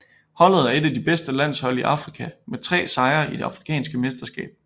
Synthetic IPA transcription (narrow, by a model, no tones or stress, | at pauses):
hɒ̽l̰ð̞̩ˠæɐe̝d̥æd̥ib̥esd̥əlæn̰shɒ̽l̰iʔɑ̈fʁikʰæmet͡sʰʁɛ̰ːsɑ̈ɪɐid̥e̝ɑ̈fʁikʰɛ̰ːnsɡ̥əmesd̥ɐsɡ̥ɛ̰ːb̥̚